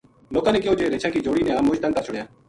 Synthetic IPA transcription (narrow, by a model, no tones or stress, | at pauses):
loːkãːnẽːkɪjoːd͡ʒoeːɾeːt͡ʃʰãːkiːd͡ʒoːɽiːnɛ̃ːaːmoːʃd̪ə̃nt̪aːt͡ʃʰʊɽjaː